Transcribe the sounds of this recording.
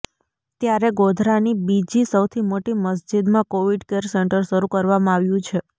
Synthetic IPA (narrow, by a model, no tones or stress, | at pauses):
t̪jaɾeɡod̪ʱɾanibid͡ʒisəwt̪ʰimoʈiməs̬d͡ʒid̪mãkoʋiɖkeɾseɳʈəɾʃəɾukəɾʋamãaʋjũt͡ʃʰe